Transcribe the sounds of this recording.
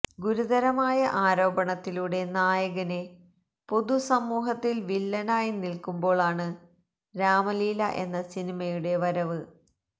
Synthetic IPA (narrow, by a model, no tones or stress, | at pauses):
ɡuɾuðɐɾɐmaːjɐʔaːɾo̞ːbɐɳɐt̪ːiluɽe̞naːjɐɣɐne | po̞ðusɐmːuːɦɐt̪ːilʋilːɐnaːjinilkumbo̞ːɭaːɳɨ | ɾaːmɐliːlɐ̰ʔe̞̰nːɐsinimɐjuɽe̞ʋɐɾɐʋɨ